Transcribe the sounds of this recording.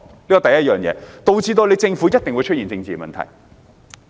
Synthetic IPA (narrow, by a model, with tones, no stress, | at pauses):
liː˥kɔ˨t̪ɐ˨˩jɐ˥t̚jœː˨˩ŋjɛ̰ː˨˧t̪o˧wt͡siː˧t̪o˧le˨˧jt͡sɪ˧ŋfu˨˥jɐ˥t̚t̪ɪ˨ŋwu˨˧t͡ʃʰɵ˥t̚iː˨˩nt͡sɪ˧ŋt͡siː˨˧mɐ̰˨nt̪ʰɐ̰˨˩j